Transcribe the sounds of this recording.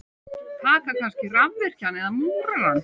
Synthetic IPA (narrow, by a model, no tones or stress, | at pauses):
t̪ʰaːkakʰanscɪramvɛr̥canɛðamuːɾaɾanː